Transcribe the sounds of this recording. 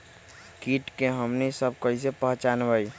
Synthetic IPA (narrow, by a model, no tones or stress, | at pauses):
kiːʈkeɦəmnisəb̚kəis̬epəɦt͡ʃaːnʋai